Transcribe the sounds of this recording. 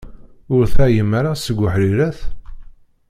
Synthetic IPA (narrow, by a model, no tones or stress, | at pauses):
ʊɾθæjəmːaɾasəɡʷːəħɾiɾæθ